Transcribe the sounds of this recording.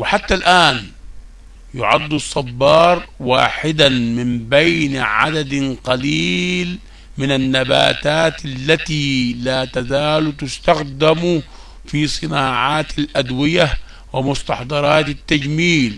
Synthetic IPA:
wɪħat̪ːalʔaːn | jʊ̰ʕa̰d̪ˤːusˤːɑbːɑːɾˤwa̰ːħɪd̪amɪmbejnʕa̰d̪ad̪qɑliːl | mɪnanːaba̰ːt̪aːt̪alːat̪iːlaːt̪azaːlt̪ʊst̪axd̪amu | fisˤɨnaːʕaːt̪alʔad̪wɪja | wɪmʊst̪ɑħd̪ˤɑɾˤɑːt̪at̪ːad͡ʒmiːl

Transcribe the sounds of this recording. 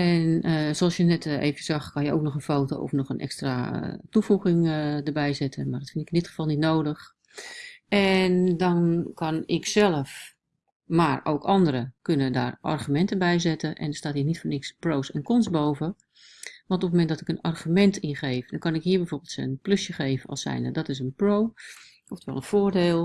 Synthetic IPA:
ɛnəsoɑlˠsjənɛtḛːvəəsaxkɑnjəo̰ːk̚nɔxənfoːto̰ɔ̰fnɔxənʔɛ̰kstratufuɣɪŋdərbɛjzɛtʰəmaːrdɔtfɪntɪkɪndɪtχə̥vɔlˠnitnoːdəx | ʔɛndɔnkʰɑnɪksɛlˠəf | maːro̰wkɑndəɾəkønəda̰ːrʔɔ̰rχymɛntəbɛjzɛtəʔɛ̰ndɔstaːthiːnitfoːrnɪksproːsɛnkɔnsboːvə | ʋɑ̃ntɔpməːmɛndɔtɪkənarχymɛntʰɪnχeːfdɔnkɑnɪkɦiːɹbɛjvoːɹbəlˠtsənpløsjəχeːvənɔ̰sɛ̰jnədɔtɪs̬ənproː | ɔftəʋɛ̰lˠənfoːrdeːlˠ

